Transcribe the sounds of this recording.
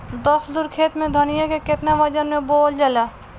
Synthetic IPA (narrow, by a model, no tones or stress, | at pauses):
d̪ɔsd̪ʊɾkʰeːt̪mẽd̪ʱənijakekɪt̪naʋɐd͡ʒənmẽboːld͡ʒɐla